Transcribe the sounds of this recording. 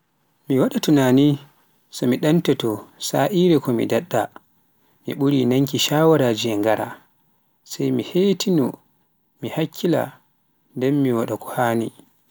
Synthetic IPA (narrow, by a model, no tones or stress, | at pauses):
miwaɗatunaːni | sɔmiɗantɛtɔsaʔiɾɛkɔmḭdaɗːa | mḭɓuɾinaŋkiʃawaɾad͡ʒiɛŋɡaɾa̰ | sajmiheːtʰinu | mihakʰːila̰ | ndɛnmːiwaɗakɔ̥haːnḭ